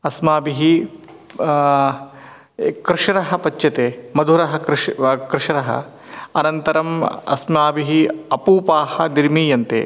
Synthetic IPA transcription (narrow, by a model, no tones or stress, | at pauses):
ɐsmaːbiɦi | kɾɪʂɐɾɐɦɐpɐt͡ʃːɐt̪eːmɐd̪ʱuɾɐɦɐ̆kɾkɾɪʂɐɾɐɦɐ̰ | ɐnɐnt̪ɐɾɐmɐ̰smaːbiɦiɐpuːpaːhɐd̪iɾmiːjɐnt̪ḛː